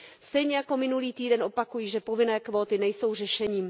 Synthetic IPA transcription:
st̪ɛjɲɛjako̞mɪnuliːt̪iːdɛnʔo̞pakujiːʒɛpo̞vɪnɛːkvo̞ːt̪ɪnɛjso̞wr̝ɛʃɛɲiːm

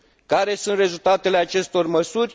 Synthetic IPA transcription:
kaɾe̞sunt̪re̞zult̪at̪e̞leat͡ʃe̞st̪o̞rməsurʲ

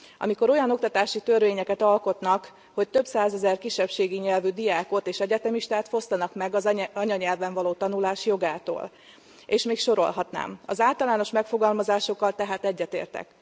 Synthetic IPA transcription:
ɒ̰miko̞ɾo̞jɒno̞k̚t̪ɒt̪aːʃit̪ørveːɲɛkɛt̪ɒlko̞t̪nɒk | ho̞c̚t̪ø̞bsaːzɛzɛrkiʃːɛpʃeːɡiɲɛlvyd̪ijaːko̞t̪eːʃɛɟɛt̪ɛmiʃt̪aːt̪fo̞st̪ɒnɒkmɛɡɒzɒɲɒɲɛlvɛɱvɒloːt̪ɒnulaːʃjo̞ɡaːt̪o̰ːl | eːʃmeːkʃoɾo̞̰lɦɒt̪na̰ːmɒ̰zaːlt̪ɒlaːno̞ʃmɛkfo̞ɡɒlmɒzaːʃo̞kːɒlt̪ɛɦaːt̪ɛɟːɛt̪ḛːrt̪ɛ̰k

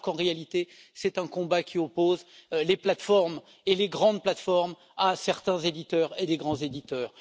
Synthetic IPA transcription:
kɑ̃ʁealit̪e | sɛt̪ɛ̃kɔ̃bakʲʰiɔpozleplat̪fɔʁm | eleɡʁɑ̃d̪plat̪fɔʁm | asɛʁt̪ɛ̃zed̪it̪œːʁed̪eɡʁɑ̃zed̪it̪œːʁ

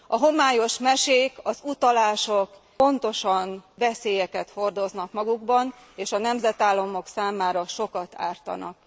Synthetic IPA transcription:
ɒɦo̞maːjo̞ʃmɛʃeːkɒzut̪ɒlaːʃo̞k | o̞nt̪o̞ʃɒnvɛseːjɛkɛt̪ho̞rd̪o̞znɒkmɒɡuɡbɒn | eːʃɒnɛmzɛt̪aːlːɒmo̞ksaːmaːɾɒʃo̞kɒt̪a̰ːrt̪ɒ̰nɒ̰k

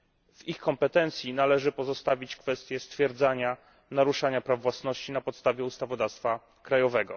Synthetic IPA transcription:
vixkɔmpɛt̪ɛnt̪sʲjinalɛʐɘpɔzɔst̪avʲit͡ɕkfɛst̪ʲjɛst̪fʲjɛɾd̪zaɲa | naɾuʂaɲapɾavvwasnɔɕt͡ɕinapɔt̪st̪avʲjɛust̪avɔd̪afst̪fa | kɾajɔvɛɡɔ̰

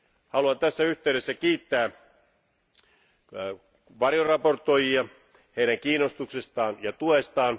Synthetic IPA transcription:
hɑluɑnt̪æsːæyht̪eyɾesːækiːt̪ːæː | ʋɑrjorɑport̪ːˑojiɑ | heiɾæŋkiːnost̪uksest̪ɑːnjɑt̪uest̪ɑːn

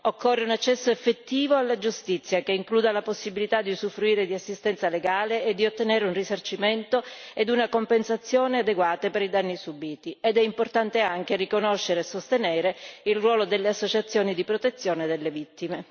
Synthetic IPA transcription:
okʰːɔrːeunat͡ʃːɛsːoefːet̪ːiːvoalːad͡ʒust̪it̪sːjakeiŋkluːd̪alaposːibilit̪ad̪ːisufːɾuiːɾed̪iasːist̪ɛnt̪saleɡaːleːd̪ːiot̪ːeneːɾeunrisart͡ʃiment̪oed̪unakompensat̪sːjoːnead̪eɡwaːt̪apeɾid̪anːisubiːt̪ied̪ɛimport̪ant̪eaŋk̟erikonoʃːeɾeːsost̪enɛːɾeilrwɔːlod̪elːeasːot͡ʃat̪sːjoːnid̪ipɾot̪et̪sːjoːned̪elːevit̪ːime

